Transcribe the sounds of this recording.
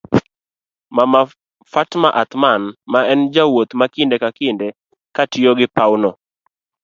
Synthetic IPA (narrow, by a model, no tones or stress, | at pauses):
mama | fatmaʔat̪manmaɛnd͡ʒawot̪makindɛkakɪndɛ | katjoɡɪpawno